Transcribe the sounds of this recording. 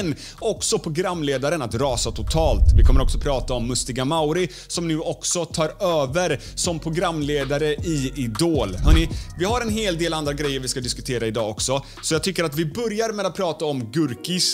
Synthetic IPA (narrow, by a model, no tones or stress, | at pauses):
n | ɔksɔpʰɾʊɡɾamːleːd̪aɾənat̪ɾɑːsat̪ʰʊt̪ʰɑːlt̪vɪkʰɔmːəɾɔksɔpʰɾɑːt̪aɔmːɵst̪ɪɡamawɾɪ | sɔmnʉ̟ːɔksɔt̪ʰɑːɾøːvəɾ | sɔmpʰɾʊɡɾamːleːd̪aɾəʔɪɪd̪oːlhœːɳɪvɪhaɾɛnɦeːld̪eːland̪ɾaɡɾɛjːəɾvɪskad̪ɪskɵt̪ʰeːɾaɪd̪ɑːɔksɔ | sɔjɑːɡ̚t̪ʰʏkːəɾat̪vɪbœɾjaɾmɛd̪at̪̚pʰɾɑːt̪aɔmɡɵɾkɪs